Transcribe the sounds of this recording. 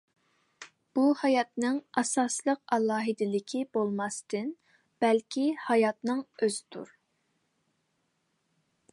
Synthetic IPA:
b̥uhɑjɑt̪nɨŋɑsɑslˠəq̚ɑlˠɑːɦɨd̪ɪlɪkʲʰibolˠmɑst̪ʰɨn | b̥ɛlkʲʰihɑjɑt̪nɨŋøzɪ̥t̪ʰṵɾ

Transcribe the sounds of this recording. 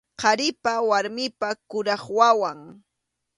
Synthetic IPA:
qɑɾɪpawaɾmɪpakʊɾɑχwawaŋ

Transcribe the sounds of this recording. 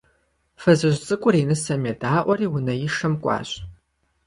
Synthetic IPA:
fɐzɨʑʷt͡sʼɨkʷʼʊriːnɨsɐmedaːʔʷɔriːwʊnɐjɪʂɐmkʷʼɑ̰ːɕʼ

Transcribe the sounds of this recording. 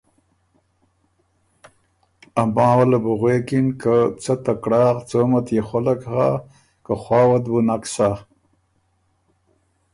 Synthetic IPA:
ambɑ̃ːwalabuɣwekinkət͡sət̪akɽɑːɣt͡somat̪jexolakha | kəxwɑːwat̪bunaksa

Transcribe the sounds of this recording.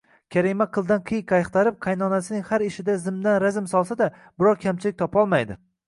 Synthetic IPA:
kʲʰaɾimaqʰɨlˠd̪anqʰɨjkʲʰɑjqt̪ʰaɾɪp̚qʰajnɒnasɪnɪŋhaɾɪʃɪd̪azɪmd̪anɾazɪmsɒlˠsad̪a | bɪɾɒɾkʲʰamt͡ʃʰɪlɪk̚ʲt̪ʰɒpɒlˠmajd̪ɪ̰

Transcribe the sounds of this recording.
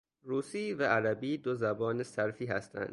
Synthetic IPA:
ɾuːsiːvææɾæbiːd̪ozæbɒːnesæɾfiːhæst̪ʰæ̰nd̪̥

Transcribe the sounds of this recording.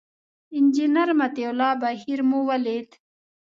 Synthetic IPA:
ind͡ʑinɐɾmɐt̪ewlaːbɐɦiɾmuwɐlet̪

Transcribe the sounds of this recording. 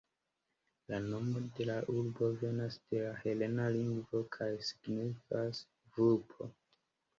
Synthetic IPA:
lano̞mo̞de̞laʔuɾbo̞ve̞nasd̥e̞lahe̞le̞naliŋɡvo̞kʰajsi̥ɡnifas | ɡɾupʰo̞̰

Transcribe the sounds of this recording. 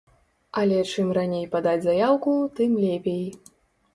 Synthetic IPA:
ɐlʲɛt͡ʂɨmranʲejpad̪ad͡zʲzajawkut̪ɨmlʲepʲej

